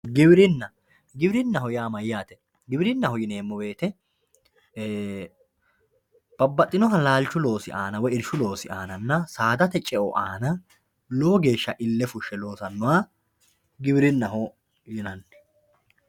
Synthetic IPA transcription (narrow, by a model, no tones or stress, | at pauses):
ɡɪbɪɾɪnːɐ | ɡɪbɾɪnːɐɦɔjaːmɐjjaːt̪ɛ | ɡɪbɾɪnːɐhɔjɪne̞ːmːɔbe̞ːt̪ɛ | b̥ɐbːɐt̪ʼːɪnɔɦɐlaːlt͡ʃːʊlo̞ːsɪʔaːnɐwɔɪɾʃʊlo̞ːsɪʔaːnɐnːɐsaːd̪ɐt̪ɛt͡ʃʼɛʔɔʔaːnɐ | loːɡe̞ːʃːɐʔɪlːɛfʊʃːɛlo̞ːsɐnːʊwaː | ɡɪbɪɾɪnːɐɦɔ | jɪnɐnː